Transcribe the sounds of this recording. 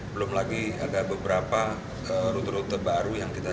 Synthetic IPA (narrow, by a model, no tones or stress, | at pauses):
bəlʊmlaɡia̰dabəbəɾapa | əɾut̪ɾut̪əbaɾujaŋkit̪a